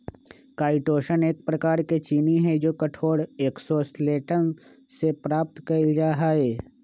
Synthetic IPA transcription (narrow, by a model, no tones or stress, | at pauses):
kaːɪʈoːʃəneːk̚pɾɐkaːɾket͡ʃiːniɦɛ̃d͡ʒoːkɐʈʰoːɽeːksoːsleːʈən | sepɾaːp̚t̪kɐld͡ʒaːɦaeː